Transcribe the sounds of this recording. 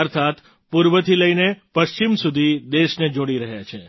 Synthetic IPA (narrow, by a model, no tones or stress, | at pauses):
əɾt̪ʰat̪ | puɾʋət̪ʰiləinepəʃt͡ʃimsud̪ʱid̪eʃned͡ʒoɽ̃iɾəɦjat͡ʃʰe